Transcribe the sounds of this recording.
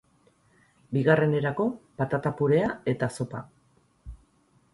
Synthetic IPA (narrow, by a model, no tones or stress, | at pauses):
biɣare̞ne̞ɾako̞pat̪at̪apuɾe̞ae̞t̪aso̞pa